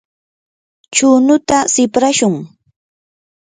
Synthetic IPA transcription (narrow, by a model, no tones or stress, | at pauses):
t͡ʃʊːnʊt̪asɪpɾaʃʊŋ